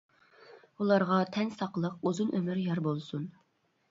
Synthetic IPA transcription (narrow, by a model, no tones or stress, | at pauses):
ulˠɑɾʁɑt̪ʰɛnsɑqlˠəquzunʔømyɾjɑɾbolˠsun